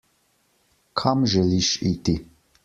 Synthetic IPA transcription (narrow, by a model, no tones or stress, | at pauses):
kʰamʒɛliʃit̪i